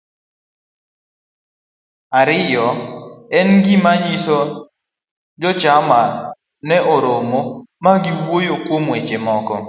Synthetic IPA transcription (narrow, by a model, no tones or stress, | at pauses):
aɾɪjɔɛnɡimaɲisɔ | d͡ʒɔt͡ʃama | nɛʔoɾomomaɡiwojokwomwet͡ʃemɔkɔ